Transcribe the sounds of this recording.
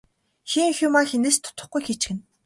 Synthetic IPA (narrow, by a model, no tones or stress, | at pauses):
xiŋxʲumaxeneːst̪ʰʊ̥t̪ə̥̆χɡujxet͡ɕ̆ɘ̆n